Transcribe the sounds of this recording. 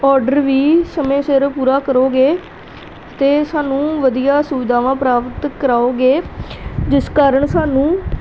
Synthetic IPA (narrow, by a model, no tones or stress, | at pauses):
ɔːɾɖəɾʋiːsəmẽːsɪɾpuːɾaːkəɾoːɡeː | t̪eːsaːnũːʋəd̪ijaːsuʋɪd̪aːʋãːpɾaːpət̪kəɾaːoːɡeːd͡ʒɪskaːɾəɳsaːnũː